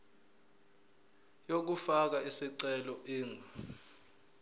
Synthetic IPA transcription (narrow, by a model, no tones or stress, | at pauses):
jok̬ufak̬aisiǀɛlɔʔiːŋʱa